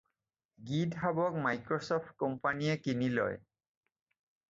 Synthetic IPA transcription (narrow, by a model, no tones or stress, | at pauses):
ɡidɦabɔk̚majkɹɔsɔpʰt̚kɔmpaniɛkinilɔ̰j